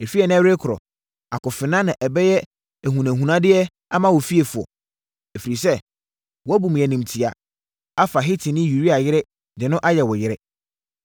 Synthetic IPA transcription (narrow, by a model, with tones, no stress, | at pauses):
ɛ˨fi˦ɛ˨ñ˦ɾe˦kʰʊ˨ɾɔ̰˨ | a˨kʊ˨fɪ˨nã˦nã˨ʔɛ˨bɛ˦jɛ˦ | æ˨ɦũ˨næ̃˨ɦũ˨nã˦dɪ˦ɛ˦ | a˦mã˦wɔ˨fi˦e˨fʊ˨ɔ̰˨ | ɛ˨fi˨ɾi˨sɛ˦ | wɔ˨˦æ˦bũ˨m˨jɛ˨nĩ˨mtʰi˨a̰˨ | a˦fa˨ɦɪ˦tʰɪ˨nɪ̃˦ju˨ɾi˦a˨jɪ˦ɾɛ˦ | dɪ˨nʊ̃˦ʔa˦jɛ˨wɔ˨jɪ˦ɾɛ˦